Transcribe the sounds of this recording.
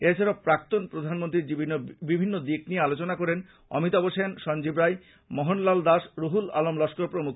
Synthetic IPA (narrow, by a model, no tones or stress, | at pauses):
eɾt͡ɕʰeɾopɾak̚t̪onpɾod̪ʱanmont̪̬ɾiɾd͡ʑiinobibʱinːod̪ikniealot͡ɕonakɔɾen | ɔ̰mit̪ɔboʃenʃɔnd͡ʑibɾaj | mɔɦonlald̪aʃɾoɦula̰lomlɔʃkoɾpɾomukʰ